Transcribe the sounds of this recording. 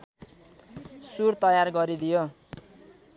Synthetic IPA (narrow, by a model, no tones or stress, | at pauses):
surt̪ʌjarɡʌɾid̪ijo